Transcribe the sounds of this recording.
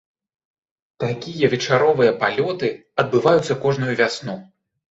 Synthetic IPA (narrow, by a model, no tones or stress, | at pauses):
t̪akʲijɐvʲɛt͡ʂaɾɔvɨjɐpalʲɔt̪ɨ | ɐd̪̚bɨvajut̪sːɐkɔʐnujuvʲasnu